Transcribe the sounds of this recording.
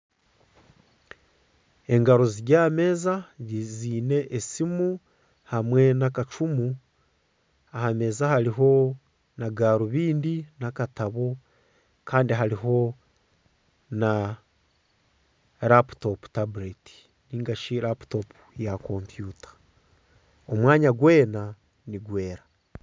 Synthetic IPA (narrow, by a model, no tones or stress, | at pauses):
e̞ŋɡaɾoziɟaːme̞ːzaɟiziːne̞ʔːsimu | hamwe̞nakat͡ʃumu | ahame̞ːzahaɾiɦo̞ | naɡaːɾuβiːndinakataβo | kʰaːndiɦaɾiɦo̞ | na | ɾapu̥to̞pu̥tabuɾeti̥ | niːŋɡaʃiɾapu̥topu̥jakompjuːtʰḁ | o̞mwaːɲaɡwe̞ːna | niɡwe̞ːɾa